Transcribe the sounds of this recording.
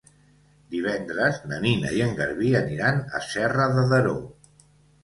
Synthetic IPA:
d̪iβ̞ɛnd̪ɾəznə̰ninə̰iəŋɡəɾβiəniɾanə̰sɛrəðəðəɾo

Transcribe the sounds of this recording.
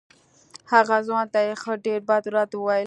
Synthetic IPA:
haɣazwɑnt̪ajexəɖeɾbad̪ɾɑt̪əwajə

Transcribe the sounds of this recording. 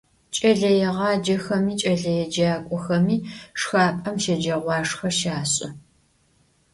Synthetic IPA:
t͡ʃʼɐɮɐjɛʁɑːd͡ʒɐxɐmiːt͡ʃʼɐɮɐjɛd͡ʒaːkʷʼɔxɐmiːʂxaːpʼɐmʃɐd͡ʒɐʁʷɑːʂxɐʃaːɕʼɐ

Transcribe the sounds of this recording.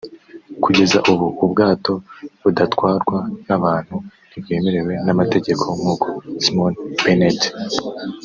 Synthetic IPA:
kuɟe̞zaʔuβuːbɡaːto̞βudatkwaːɾɡwanaβaːn̥hu | iβje̞ːme̞ɾe̞we̞namate̞ɟe̞kʰo̞muːko̥simonb̥enet

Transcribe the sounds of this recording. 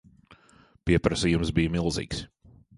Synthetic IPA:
piɛpɾɐsijumsbijmilˠzḭːks

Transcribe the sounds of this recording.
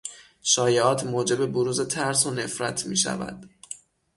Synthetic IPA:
ʃɒːjeɒːt̪ʰmoːd͡ʒe̞be̞boɾuːze̞t̪ʰæɾsone̞fɾæt̪ʰmḭːʃæ̰væ̰d̪̥

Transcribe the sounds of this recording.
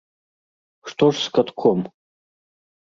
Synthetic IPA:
ʂt̪oʂskɐt̪kʰɔm

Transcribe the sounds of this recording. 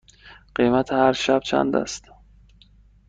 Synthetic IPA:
ɢ̥ejmæt̪ʰehæɾʃæb̥̚t͡ʃʰæ̰nd̪æ̰st̪

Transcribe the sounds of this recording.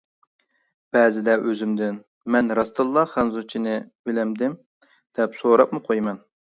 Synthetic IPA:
b̥ɛːzɪd̪ɛʔøzymd̪ɪn | mɛnɾɑst̪ɨlˠːɑχænzut͡ʃʰinɪbɪlɛmd̪ɪm | d̪̥ɛpsoɾɑp̚mɨqʰojmɛn

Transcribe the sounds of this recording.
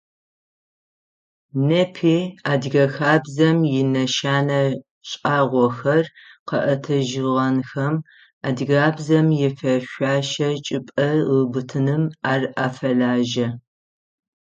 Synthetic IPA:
nɐpʰiːaːdɣɐxaːbzɐmjɪnɐʃaːnɐ | ɕʼaːʁʷɔxɐrqɐʔɐtʰɐʒɪʁɐnxɐm | aːdɣaːbzɐmjɛfɐʃʷaːʃɐt͡ʃʼɪpʼɐʁəbɨtʰɨnɨmaːraːfɐɮaːʒɐ

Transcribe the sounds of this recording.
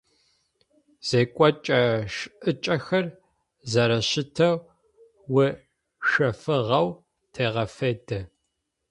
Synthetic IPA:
z̥eːkʷʼɔt͡ʃʼɐʃʔɨt͡ʃʼɐxɐr | zɐɾɐɕɪtʰɐw | wʊ | ʃɐfɨʁɐw | tʰeːʁɐfedɐ

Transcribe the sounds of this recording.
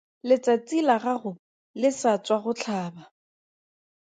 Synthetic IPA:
lɪt͡sat͡silaɣaχʊ | lɪsat͡swaχʊt͡ɬʰaːba

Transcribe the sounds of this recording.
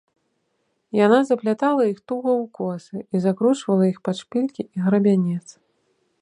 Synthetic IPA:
janazɐplʲat̪alˠɐixt̪uɣɐwkɔsɨizakɾut͡ʂvɐlˠɐixpat͡ʂpʲilʲkʲiiɣɾɐbʲanʲɛt̪s

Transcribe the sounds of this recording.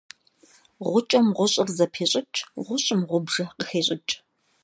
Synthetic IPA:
ʁʷʊt͡ʃʼɐmʁʷʊɕʼɪrzɐpʰeːɕʼɪt͡ʃʼʁʷʊɕʼɪmʁʷʊbʒɐqəxeːɕʼɪt͡ʃʼ

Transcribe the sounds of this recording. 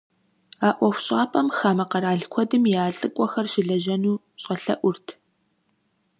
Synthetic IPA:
aːʔʷɔxʷɕʼaːpʰʼɐmxaːmɐqɐɾaːɮkʷʰɔdɨmjaːɬʼɨkʷʼɔxɐrʃɪɮɐʒɐnuː | ɕʼɐɬɐ̰ʔʷʊrtʰ

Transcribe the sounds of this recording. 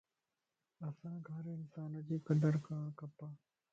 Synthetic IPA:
əsãːɡʱəɾɪnsaːnəd͡ʒiːkəɖəɾkaːɳ̃kəpaː

